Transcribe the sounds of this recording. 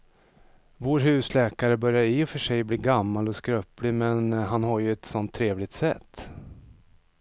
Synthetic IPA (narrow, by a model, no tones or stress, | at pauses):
voːɾɦʉ̟ːslɛːkaɾəbœɾjaɾɪfœʂɛjbliːɡamːalɔskɾœplɪmɛnɦanɦaɾjɵɛt̪sɔnt̪ʰːɾeːvlɪɡt̪sɛ̰t̪ː